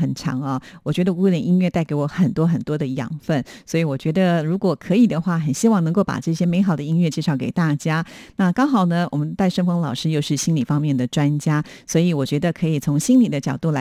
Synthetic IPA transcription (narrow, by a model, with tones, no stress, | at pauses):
ə˨˩nʈ͡ʂʰɑ̰˧˥ŋɐ˧wɔ˨˩t͡ɕɥɛ˧˥d̪ə˧ku˥˧lə˨˩nʔi˥nɥɛ˥˧t̪a˥˩ɪke˧˥ɪwɔ˧˩˦xə˨˩nt̪wɔ˥xə˨˩nt̪wɔ˥d̪ə˨jɑ̰˨˩ŋfə˥˩nswɔ˧˥i˧˥wɔ˨˩t͡ɕɥɛ˧˥d̪ə˧ɻu˧˥kwɔ˨˩kʰɤ˧˥i˨˩d̪ə˦xwa˥˩xə˨˩nɕi˥wɑ˥˩ŋnɤ˧˥ŋko˥˩ʊpa̰˨˩ʈ͡ʂɤ˥˩ɕjɛ˥me˧˥ɪxɑ˨˩ʊd̪ə˦i˥ŋɥɛ˥˧t͡ɕjɛ˥˧ʂɑ˥˩ʊkḛ˨˩ɪt̪a˥˩t͡ɕja˥na˥˧kɑ˥ŋxɑ˨˩ʊnə˦wɔ̰˨˩mə˦nt̪a˥˧ɪʂə˥˩ŋfɤ˥ŋlɑ˨˩ʊʂɻ̩˥jo˥˧ʊʂɻ̩˥˩ɕi˥nli˨˩fɑ˥ŋmjɛ˥˩nd̪ə˩ʈ͡ʂwa˥nt͡ɕja˥swɔ˧˥i˧˥wɔ˨˩t͡ɕɥɛ˧˥d̪ə˧kʰɤ˧˥i˨˩t͡sʰʊ˧˥ŋɕi˥nli˨˩d̪ə˦t͡ɕjɑ˨˩ʊt̪u˥˩la˧˦